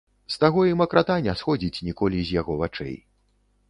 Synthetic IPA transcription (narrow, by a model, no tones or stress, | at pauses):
st̪aɣɔimɐkɾʔat̪anʲɛsxɔd͡zʲit͡sʲnʲikɔlʲizʲjaɣɔvat͡ʂɛ̰j